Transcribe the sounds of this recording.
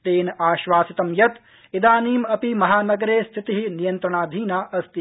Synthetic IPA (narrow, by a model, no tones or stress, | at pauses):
eːnaːʃʋaːsit̪ɐmjɐt̪ | id̪aːniːmɐpimɐɦaːnɐɡɐɾeːst̪ʰit̪iɦinijɐnt̪ɾɐɳaːd̪ʱiːnaːʔɐst̪i